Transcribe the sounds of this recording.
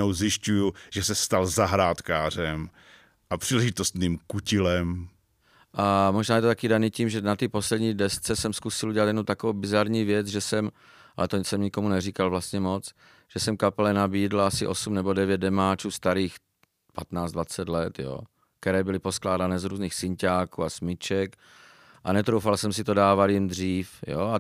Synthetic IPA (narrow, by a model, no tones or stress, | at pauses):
owzjɪʃcujuʒ̥ɛsɛst̪alzaɦɾaːt̪kaːr̝ɛm | ʔapr̥iːlɛʒɪt̪ost̪niːmkucɪlɛm | ʔamoʒnaːjɛt̪ot̪akiːdaniːciːmʒɛnat̪ipo̞slɛdɲiːdɛst͡sɛsɛmskusɪlʔuɟɛlat̪jɛdnut̪akovowbɪzaɾɲiːvjɛt͡sʒɛsɛm | ʔalɛt̪osɛmɲɪkomunɛrikalvlast̪ɲɛmo̞t͡s | ʒ̥ɛsɛmkapɛlɛnabiːdlasɪʔosumnɛbo̞dɛvjɛd̪̚dɛmaːt͡ʃuːst̪aɾiːx | pat̪naːt͡sd̪vat͡sɛt̪lɛt̪jo̰ː | kt̪ɛɾɛːbɪlɪpo̞sklaːdanɛːzɾuːzniːxsɪɲcaːkṵːasmɪt͡ʃɛk | ʔanɛt̪ɾowfalsɛmsɪt̪o̞daːvaljɪmd̪r̝iːfjo̰a